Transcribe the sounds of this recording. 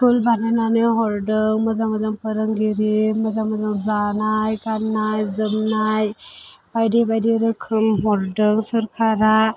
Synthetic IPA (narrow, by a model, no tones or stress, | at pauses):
kulbanananɯɦɔɾɖɯŋməzaməzaŋpəɾəŋɡiɾiməzamɔzaŋzanajkanːajzɯmnaj | b̥ajdibajdiɾɯkʰɯmɦɔɾɖəŋsəɾkʰaɾa